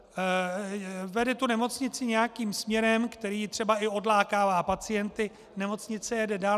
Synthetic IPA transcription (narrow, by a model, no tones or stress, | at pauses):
vɛdɛt̪unɛmo̞t͡sɲɪt͡sɪɲɛjakiːmsmɲɛɾɛmkt̪ɛɾiːt̪r̥ɛbaɪo̞dlaːkaːvaːpat͡sɪjɛnt̪ɪ | nɛmo̞t͡sɲɪt͡sɛjɛdɛdaː